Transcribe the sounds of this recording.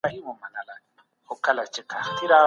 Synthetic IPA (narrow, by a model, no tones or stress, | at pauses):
aimɔmanala | hʊkʰalat͡ʃikʰatʰiɾa